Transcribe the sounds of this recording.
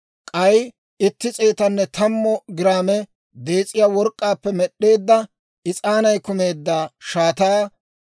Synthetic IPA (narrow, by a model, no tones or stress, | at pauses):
kʼɐj | ɪt̪ːɪt͡sʼeːt̪ɐnːɛt̪ɐmːɔɡɪɾaːmɛ | d̪e̞ːt͡sʼːɪjaːwɔɾkʼːaːpːɛmɛɗːe̞ːd̪ːɐ | ɪt͡sʼaːnɐjkʊme̞ːd̪ːaʃaːt̪aː